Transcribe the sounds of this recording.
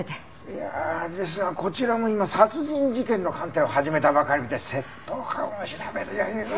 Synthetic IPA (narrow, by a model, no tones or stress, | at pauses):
t̪e | jad̪e̞s̬ɨnako̞t͡ɕiɾamo̞imasat͡sɨʑĩɲd͡ʑikẽ̞nːo̞kãnt̪ẽ̞ohaʑime̞t̪abakaɾʲimit̪ese̞t̪ʰːoːka̰oɕiɾabeɾɯja